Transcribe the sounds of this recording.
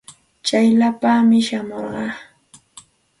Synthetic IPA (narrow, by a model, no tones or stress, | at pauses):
t͡ʃajlapamɪʃamoɾɢɑː